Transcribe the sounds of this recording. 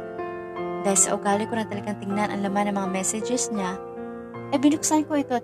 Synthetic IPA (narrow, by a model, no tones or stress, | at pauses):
d̪aːhɪlsɐ̰ʔʊɡaːlɪko̞nɐt̪ɐlɐɡaŋt̪ɪŋnanʔɐ̰ŋlɐmanːɐŋmɐŋamɛsɛd͡ʒɛsɲa | kɐjbɪnʊksankoʔɪt̪o̞t̪